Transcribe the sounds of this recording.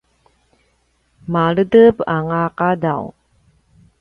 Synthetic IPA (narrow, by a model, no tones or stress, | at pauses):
malədəbaŋaqadaw